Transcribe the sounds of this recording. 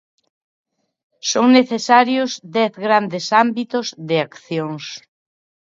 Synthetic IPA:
soŋneθesaɾjʊzd̪ɛθɣɾand̪esambit̪ʊzðɪakθjoŋs

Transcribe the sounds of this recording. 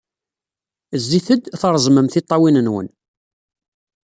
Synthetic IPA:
zːiθəd̪θɾˤzˤməmθɪt̪ˤːɑwinənwə̰n

